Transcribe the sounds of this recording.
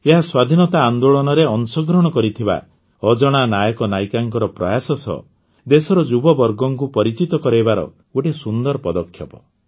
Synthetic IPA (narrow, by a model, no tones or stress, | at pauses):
eɦaswad̪ʱinɔt̪aːnd̪oɭɔnɔɾeɔnsɔɡɾɔɽ̃ɔkɔɾit̪ʰiba̰ | ɔd͡ʒɔɽ̃anajɔkɔnajkaŋkɔɾɔpɾɔjasɔsɔ̰ | d̪esɔɾɔd͡ʒubɔbɔɾɡɔŋkupɔɾit͡ʃit̪ɔkɔɾejbaɾɔ̰ | oʈisund̪ɔɾɔpɔd̪ɔkʰːjɔpɔ̥